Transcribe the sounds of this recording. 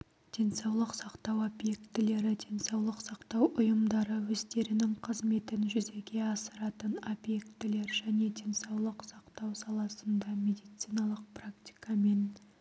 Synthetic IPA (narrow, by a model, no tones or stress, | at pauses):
d̪̥e̞nsɑwlˠəqsɑqt̪ɑwobje̞kt̪ɪle̞ɾɪd̪̥ʲe̞nsɑwlˠəqsɑqt̪ɑwʔʊjəmd̪ɑɾəwɵzt̪e̞ɾɪnɪŋqʰəzme̞t̪ɪnʒʏze̞ɡʲe̞ɑsəɾɑt̪əno̞bje̞kt̪ɪle̞ɾʒæne̞d̪e̞nsɑwlˠəqsɑqt̪ɑwsɑlˠɑsənd̪ɑmʲe̞d̪ijt̪sijnɑlˠəq̚prakt̪ʲi̥jkɑme̞n